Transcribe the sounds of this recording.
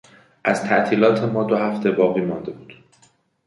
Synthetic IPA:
ʔæz̥t̪ʰæʔt̪ʰiːlɒːt̪ʰe̞mɒːd̪ohæft̪ʰe̞bɒːɣiːmɒnd̪e̞buːd̪̥

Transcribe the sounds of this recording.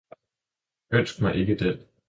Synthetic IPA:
øn̰sɡ̥mɑ̈ɪʔe̝ɡ̥əd̥en

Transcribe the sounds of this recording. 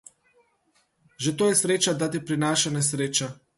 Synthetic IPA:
ʒɛt̪oːjɛsɾet͡ʃad̪at̪̬ipɾinaʃanɛsɾeːt͡ʃa

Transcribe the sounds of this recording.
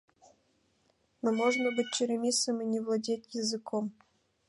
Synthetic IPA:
nɨmoʐnəbɨt̚ʲt͡ɕɪɾʲɪmʲisɨmɨnʲɪvlˠɐdʲetʲjɪzɨkom

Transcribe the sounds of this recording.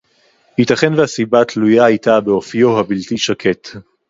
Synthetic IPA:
hitaχenveasibatlujaajtabe̞ofjo̞ɦabiltiʃakʰe̞t

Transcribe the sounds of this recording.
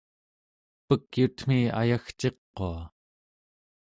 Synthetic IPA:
pəkjut̪m̥ia̰jaxt͡ʃe̞qːoa

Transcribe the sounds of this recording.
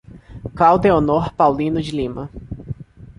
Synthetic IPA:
klawd̪eonoɾpawlĩnʊd͡ʒɪlĩmɐ

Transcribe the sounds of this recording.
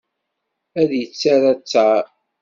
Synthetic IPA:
æðjət͡sːaɾæt͡sːa

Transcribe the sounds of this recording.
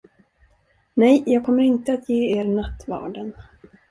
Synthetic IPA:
nɛjjɑːɡ̚kʰɔmːəɾɪnt̪əat̪jeːeːɾnat̪ːvɑ̰ːɖən

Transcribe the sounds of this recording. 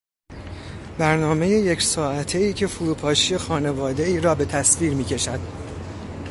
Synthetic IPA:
bæɾnɒːme̞je̞jecʰsɒːæt̪ʰe̞iːcʰe̞fuɾuːpʰɒːʃije̞xɒːne̞vɒːd̪e̞iːɾɒːbe̞t̪ʰæsviːɾmiːcʰe̞ʃæd̪̥

